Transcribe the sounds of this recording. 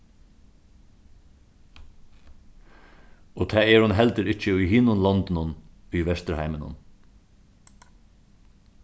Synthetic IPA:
oːt̪ʰæːɛɾhʊnɦɛlt̪əɾɪt͡ʃəʊjhɪnʊnlɑnt̪ɪnʊnʉjʋɛst̪əɾhaɪmənʊ̰n

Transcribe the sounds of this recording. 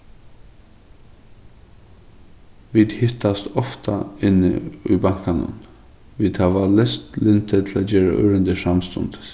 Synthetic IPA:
ʋiːd̪hʏt̪ɑst̪ɔft̪ʰɑɪnə̰iːbɑŋkɑnə̰n | ʋiːd̪hɑːʋɑlɛst̪lɪnt̪ʰət̪ʰl̩oːjeːɾə̰ʔœɾənd̪əʃɑmst̪ɔ̰nd̪̥

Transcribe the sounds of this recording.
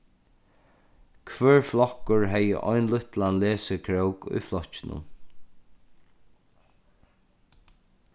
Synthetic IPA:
kʰvœːɹflɔkːʊɹɦɛjə̰ʔɔjnlʊht̪lanlɛːsəkʰɾɛwkʊ̰jflɔht͡ʃːɪnʊ̰m

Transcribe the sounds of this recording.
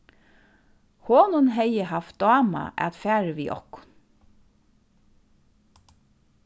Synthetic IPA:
hoːnʊnɦɛjəɦaft̪̚d̪ɑːma̰ʔɛ̰t̪fæːɹəʋiːʔɔ̰hkʊ̥n

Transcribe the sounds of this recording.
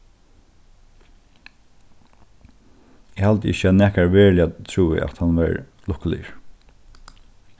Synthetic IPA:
ɛhalt̪əɪ̰çəanæːkaɹʋeːɹlɪjat̪ʰɹuːɪ̰ʔa̰t̪hanʋɛ̰ɹ | lʊhklɪ̰ɹ

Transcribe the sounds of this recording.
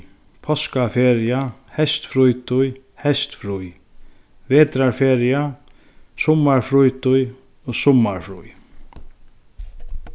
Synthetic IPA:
pʰɔskafeːɾɪahɛst̪fɾujt̪ʊj | hɛst̪fɾuj | veːt̪ɾaɹfeːɾɪa | sʊmːaɹfɾujt̪ʊj | ɔsʊmːaɹfɾṵj

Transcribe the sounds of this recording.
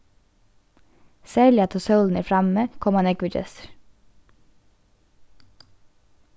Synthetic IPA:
sæːɭɪɑt̪ʰoːsœʉln̩əɾfɾɑməːkʰɔmɑnɛkʋəd͡ʒɛ̰s

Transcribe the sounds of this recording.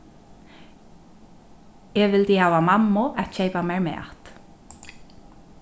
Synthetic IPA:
ɛːʋɪld̪iːhɑːʋamɑmːʊʔɛt̪ʃeɪpameɹmɛ̰ːʔa̰t̪

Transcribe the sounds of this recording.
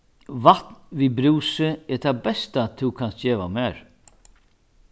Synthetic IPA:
vat̪nvibɾuːsɪɛt̪ʰabɛst̪at̪ʰukʰanst̪d͡ʑɛːʋa̰mɛːɹ

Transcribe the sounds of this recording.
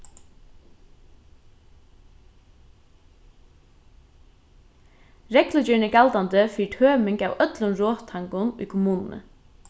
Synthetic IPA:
ɾɛklʊt͡ʃɪnəkalt̪ant̪əfiːt̪ʰøːmɪŋkawœt̪lʊnɾɔːt̪ʰːaŋkʊnʊ̰jkʰʊmuːnnə̰

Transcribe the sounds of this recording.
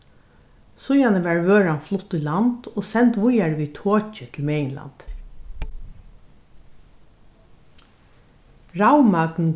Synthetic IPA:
sʊjanəʋæɹʋøːɹanflʊt̪ːʏland̪̥oːsɛnt̪ʋʊjaɹʋit̪ʰoːt͡ʃɪt̪ʰɪlmɛːjɪnla̰nt̪ | ɹawmakn̩

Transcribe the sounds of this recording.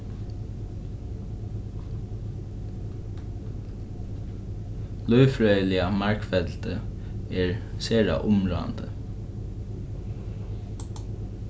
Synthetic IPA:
lœːfɹœːʏəlɪamaɹkfɛt̪lt̪ə | ɛɹseːɹa̰ʔʊmɹo̰ːa̰nd̪ə

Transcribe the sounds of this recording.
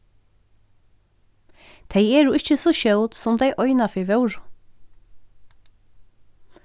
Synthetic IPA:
t̪ʰeɪɛːnuːʔɪçəsɔʃœwt̪sɔmd̪eɪʔɔʏnafɪʋœʊɹ

